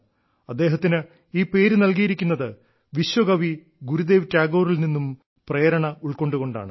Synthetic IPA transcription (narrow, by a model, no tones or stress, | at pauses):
ɐd̪ːe̞ːɦɐt̪ːinɨ | iːpe̞ːɾunɐlkijiɾikʲːunːɐðɨ | ʋiɕwɐɡɐʋi | ɡuɾud̪e̞ːʋtaːɡo̞ːrilninːum | prejɐɾɐɳɐuɭko̞ɳɖuɣo̞ɳɖa̰ːɳɨ